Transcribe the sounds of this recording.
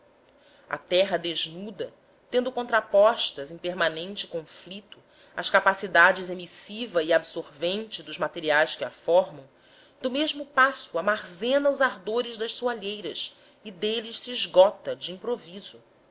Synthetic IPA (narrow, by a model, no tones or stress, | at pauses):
a̰t̪ɛɦɐd̪eʒnud̪ɐ | t̪ẽnd̪ʊkõnt̪ɾapɔʃt̪ɐzẽj̃peɾmanẽnt͡ʃɪkõflit̪ʊ | ɐʃkapasid̪ad͡ʒɪzemisivɐiabsoɾvẽnt͡ʃɪd̪ʊzmat̪eɾiajskɪafɔɾmɐ̃w̃ | d̪ʊmeʒmʊpasʊamaɾzẽnɐʊzaɾd̪oɾɪʒd̪ɐʃsuaʎejɾɐs | ɪd̪elɪʃsiːʒɡɔt̪ɐd͡ʒɪĩpɾovizʊ